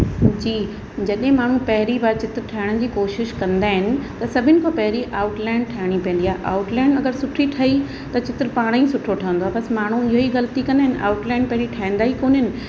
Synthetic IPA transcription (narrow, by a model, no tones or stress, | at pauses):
d͡ʑiː | d͡ʑɐɗɦɪ̃maːɳ̤ũpɐɦɪɾibaɾt͡ɕɪt̪ɾʈʰaːɪɽ̃əd͡ʑiːkoːʃɪʃkɐ̃nd̪aːɦɪnɪ̆t̪ɐsɐbʱɪnɪ̆kʰopɐɦɪɾiʔaːʊʈlaːɪɳɖʈʰaːɪɽ̃ipɐ̃ːn̆d̪iaːɦʔa̰ːʊʈlaːɪɳɐɡəɾsʊʈʰiʈʰɐi | t̪ɐt͡ɕɪt̪ɾpaːɽ̃ĩsʊʈʰoʈʰɐʋə̃nd̪oaːbɐsmaːɳ̤uɪɦoiɣɐlt̪ikɐ̃nd̪aːɪnɪ̆ʔa̰ːʊʈlaːɪɳɖpɐɦɪɾiʈʰaːĩn̆d̪aːikoːnɦɪnɪ̆